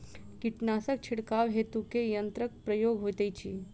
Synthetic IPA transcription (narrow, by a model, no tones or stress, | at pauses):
kiʈnasək̚t͡ɕʰiɽkaʋɦet̪ukejənt̪ɾək̚pɾəjoɡɦot̪ajt͡ɕiː